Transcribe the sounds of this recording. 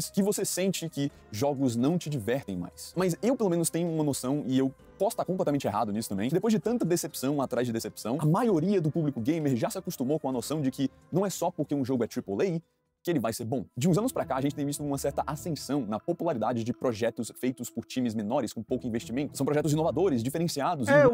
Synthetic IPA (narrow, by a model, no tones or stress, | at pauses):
skɪvosesẽnt͡ʃɪkɪ | ʒɔɡʊznɐ̃w̃t͡ʃɪd͡ʒivɛɾt̪ẽj̃ma̰jsmɐzewpelomẽnʊst̪ẽɲ̃ʊũmɐnosɐ̃w̃ɪew | pɔsʊ̥t̪aɾkõplɛt̪amẽnt͡ʃeɦa̰d̪ʊnisʊ̥t̪ɐ̃mbẽj̃kɪd̪epojzd͡ʒɪt̪ɐ̃nt̪ɐd̪esepsɐ̃w̃at̪ɾazd͡ʒɪd̪esepsɐ̃w̃ɐmajoɾiɐd̪ʊpublikʊɡẽjmeɾʒasɪakust̪ũmowkõɐnosɐ̃w̃d͡ʒɪkʰɪ | nɐ̃w̃ɛsɔpoɾkeũʒoɡʊɛt̪ɾipolej | kɪelɪvajseɾbõd͡ʒɪũzɐ̃nʊspɾakaaɐʒẽt͡ʃɪt̪ej̃vist̪ʊũmɐsɛɾt̪ɐʔasẽsɐ̃w̃nɐpopulaɾid̪ad͡ʒɪd͡ʒɪpɾoʒɛt̪ʊsfejt̪ʊspʊɾt͡ʃĩmɪzmẽnɔɾɪskõpowkʊĩveʃt͡ʃimẽnt̪ʊsɐ̃w̃pɾɔʒɛt̪ʊz̬inovad̪oɾɪzd͡ʒifeɾẽsiad̪ʊz